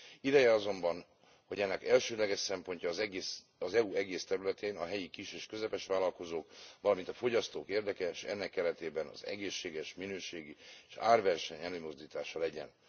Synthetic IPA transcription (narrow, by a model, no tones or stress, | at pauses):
id̪ɛjɛɒzo̞mbɒn | ho̞ɟɛnːɛkɛlʃøːd̪lɛɡɛʃsɛmpo̞ɲcɒːzɛɡeːs | ɒzɛuɛɡeːst̪ɛɾylɛt̪eːnɒɦɛjikiʃeːʃkøzɛpɛʃʋaːlɒlko̞zoːkʋɒlɒmint̪ɒfo̞ɟɒst̪oːkeːrd̪ɛkɛʃɛ̰nːɛkːɛɾɛt̪eːbɛnɒ̰zɛ̰ɡeːʃːeːɡɛʃminøːʃeːɡieʃa̰ːrvɛrʃɛɲɛløːmo̞zd̪iːt̪aːʃɒlɛɟɛ̰n